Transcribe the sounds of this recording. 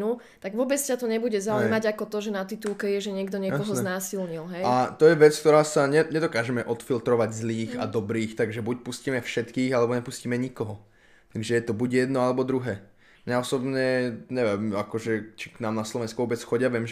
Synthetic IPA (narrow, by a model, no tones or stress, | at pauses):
nu | t̪aɡʋʊɔbɛt͡scat̪ɔɲɛbuɟɛzaujmaɟakɔt̪ɔʒɛnat̪it̪ulkɛjɛʒɛɲɪɛɡd̪ɔɲɪɛjkɔɦɔznaːsilɲilɦɛjat̪ɔjɛʋɛt͡skt̪ɔɾaːsaɲɛɲɛd̪ɔkaːʒɛmɛʔɔt̪filt̪ɾɔʋaɟzliːxa̰d̪ɔbɾiːxt̪aɡʒɛbuc̚puscimɛfʃɛt̪kiːɣalɛbɔɲɛpusciːmɛɲikɔɦɔ | t̪aɡʒɛjɛt̪ɔbuɟjɛd̪nɔalɛbɔd̪ɾuɦɛː | mɲaɔsɔbɲɛɲɛʋɛmakɔʒɛt͡ʃi̥knaːmnaslɔʋɛnskuʋɔbɛt͡sxɔɟɪaʋɛmʒ